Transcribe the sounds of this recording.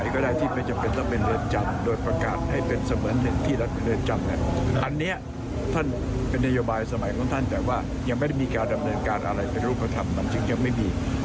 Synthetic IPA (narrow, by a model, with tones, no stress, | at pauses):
jkɔː˥˩daː˥˩jt̪ʰiː˥˩ma˧˥˩t͡ɕa˨˩pe˧nla˦˥t̪̚me˧nɾɯ˧˩nt͡ɕa˧mdoː˧jpɾa˧ka̰ː˨˩t̪̚ha˥˩jpe˧nsa˧mɯː˩˦nɦe˩˦nt̪ʰiː˥˩la˦˥t̪̚me˧nɾɯ˧˩nt͡ɕa˧mnḭ˦˥˩ɐʔa˧nːi˦˥ɐ | t̪ʰa˥˩n | pe˧nːa˥joː˧baː˧jsa˧ma˩˦jkʰɔː˩˦ŋt̪ʰa˥˩nt̪ɛː˨˩kwaː˥˩ | ja˧ŋma˥˩jda˥˩jmiː˧kaː˧nda˧mnɤː˧nkaː˧nʔa̰˧ɾa˧jpe˧nɾuː˥˩pʰːa˧t̪ʰa˧mna˩˦˥ŋt͡ɕɯ˧ŋja˧ŋma˥˩jmiː˧